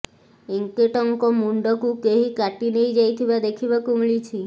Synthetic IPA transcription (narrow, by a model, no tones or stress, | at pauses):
iŋkeʈɔŋkɔmuɳɖɔkũkeɦikaʈinejd͡ʒajt̪ʰibad̪ekʰibakũmɭit͡ʃʰi